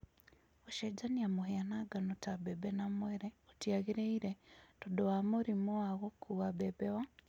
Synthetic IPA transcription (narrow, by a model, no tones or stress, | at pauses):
oʃed͡ʒaniamuɦeanaɡanotabebenamweɾeotjaɣiɾeiɾetodowamoɾimoaɣokʰuɣabebewa